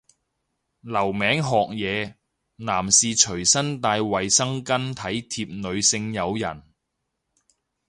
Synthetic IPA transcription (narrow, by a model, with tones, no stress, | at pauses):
lɐ˨˩wmɛː˨˥ŋɦɔː˨k̚jɛː˨˧ | naː˨˩msiː˨t͡ʃʰɵ˨˩ɥsɐ˥nt̪aː˧jwɐ˨jsɐ˥ŋkɐ˥nt̪ʰɐ˨˥jt̪ʰiː˧p̚nɵ˨˧ɥsɪ˧ŋjɐ˨˧wjɐ̰˨˩n